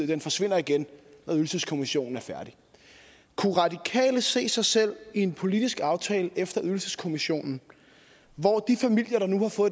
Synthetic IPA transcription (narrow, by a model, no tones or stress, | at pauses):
ð̰ˠd̥enfɒ̽sʋe̝n̰ɐiɡ̥ennɑyðl̩səskʰo̝miɕo̝̰ːn̩æɐfæɐɾ̥i | kʰuʁɑ̈d̥ikʰɛ̰ːləse̝̰ːsɑ̈ɪsel̰ie̝npʰo̝lid̥isɡ̥ɑ̈ʊt͡sʰɛːləʔefd̥ɐʔyðˠl̩səskʰomiɕo̝̰ːnn̩ | ʋɒd̥ifæmil̰jɐɾ̥ɑ̈nuhɑ̈fɔ̽ːðˠ